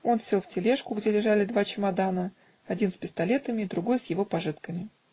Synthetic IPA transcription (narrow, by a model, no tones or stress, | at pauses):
o̞nsʲelˠftʲɪlʲeʂkʊɡdʲelʲɪʐalʲɪd̪vat͡ɕɪmɐd̪anə | ɐdʲinspʲɪst̪ɐlʲe̞t̪əmʲɪːd̪ɾʊɡo̞jsjɪvo̞pɐʐɨt̪kəmʲɪ